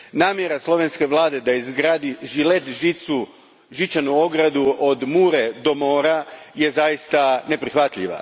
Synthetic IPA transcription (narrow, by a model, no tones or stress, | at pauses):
naːmje̞ɾaslˠo̞ʋe̞nske̞ʋlˠaːd̪e̞d̪aizɡɾaːd̪iʒilet̪ʒit̪su | ʒit͡ʃanuo̞ɡɾad̪uod̪muːɾe̞d̪o̞mo̞ːɾaje̞zajist̪ane̞pɾixʋat̪ʎḭʋa̰